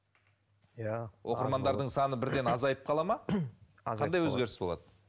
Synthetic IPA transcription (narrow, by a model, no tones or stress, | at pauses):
jawʔo̞qəɾmɑnd̪ɑɾd̪əɴsɑnəbɪɾd̪e̞nɑzɑjəp̚qʰɑlˠɑmɑ | qʰɑnd̪ɑjwɵzɡʲe̞ɾɪsbo̞lˠɑ̰d̪ə